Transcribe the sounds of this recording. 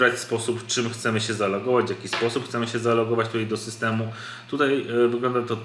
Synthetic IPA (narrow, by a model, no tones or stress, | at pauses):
ɾat͡ɕspɔsupft͡ʂɘmxt̪sɛmɘɕɛzalɔɡɔvad͡ʑvʲjakʲispɔsupxt̪sɛmɘɕɛzalɔɡɔvat͡ɕt̪ut̪ajd̪ɔsɘst̪ɛmu | t̪ut̪ajvɘɡlɔnd̪at̪ɔ